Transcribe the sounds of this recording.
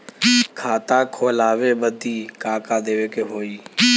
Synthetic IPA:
kʰaːt̪aːkʰoːlaːʋeːbəd̪iːkaːkaːd̪eːʋeːkeɦoːiː

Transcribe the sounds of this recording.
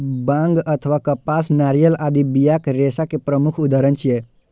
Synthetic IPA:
bãŋɡət̪ʰəʋakəpasnaɾijəlad̪ibijakɾesakepɾəmukʰud̪aɾənt͡ʃije

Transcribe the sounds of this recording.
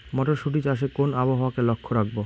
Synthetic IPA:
mɔʈoɾʃuʈ̬id͡ʑaʃ̬ekonaboɦaakelokʰːoɾak̚bo

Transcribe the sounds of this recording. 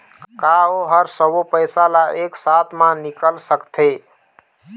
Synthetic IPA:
kaoɦəɾsəbopəjsalaʔeksat̪ʰmãnikəlsəkt̪ʰe

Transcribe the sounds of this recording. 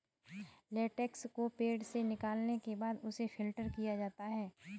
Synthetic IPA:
leːʈɛkskopeːɖsenɪkaːlnekebaːd̪ʊsefʰɪlʈəɾkijad͡ʒaːt̪aɦɛː

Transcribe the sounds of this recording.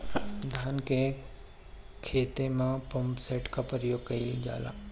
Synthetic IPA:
d̪ʱaːnke | kʰeːt̪emãpɐmpseːʈkapɾəjoːɡ̚kɐilid͡ʒa̰ːla̰ː

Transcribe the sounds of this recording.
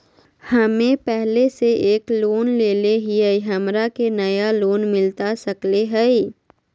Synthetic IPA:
hɐmẽpɛɦleseʔeːkloːnleːleɦiəiɦɐmɾakenɐjaloːnmɪlt̪asɐkleɦɛi

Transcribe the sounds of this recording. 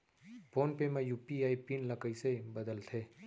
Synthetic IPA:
poːnpemẽjuːpiaːipinləkəisebəd̪əlt̪ʰeː

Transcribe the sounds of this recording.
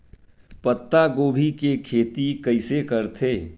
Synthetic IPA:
pət̪ːaɡoːbʱikekʰeːt̪ikəɪsekəɾt̪ʰeː

